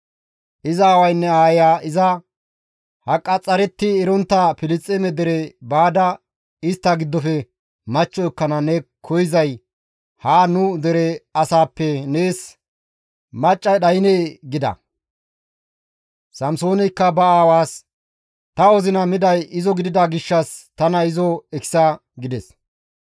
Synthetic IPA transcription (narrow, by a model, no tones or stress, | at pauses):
ʔɪzaːwɐjnːɛaːjaːʔɪzɐ | hɐkʼːɐt͡sʼːɐɾɛt̪ːɪɛɾɔnt̪ːɐpɪlɪt͡sʼːemɛd̪ɛɾɛbaːd̪ɐ | ɪst̪ːɐɡɪd̪ːɔfɛ | mɐt͡ʃːɔɛkːɐnɐnɛkʰɔjɪzɐj | haːnʊd̪ɛɾɛɐsaːpːɛneːs | mɐt͡ʃʼːɐɗɐjneːɡɪd̪ɐ̰ | sɐmso̞ːnɪjkːɐbɐaːwaːs | t̪ɐɔzɪnɐmɪd̪ɐjɪzɔɡɪd̪ɪd̪ɐɡɪʃːɐst̪ɐnɐɪzɔɛksɐ | ɡɪd̪ɛs